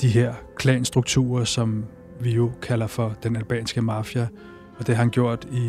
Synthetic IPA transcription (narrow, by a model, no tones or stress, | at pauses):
d̥iɦeɐ̰kʰlɛ̰nsd̥ʁuɡ̥̚t͡sʰṵːɐsɒ̽m | ʋijo̝kʰælɐfɒ̽d̥enælb̥ɛ̰ːnsɡ̥əmɑ̈fjæ | ɒ̽d̥e̝hɑhænɡ̥jo̝ɐ̰d̥i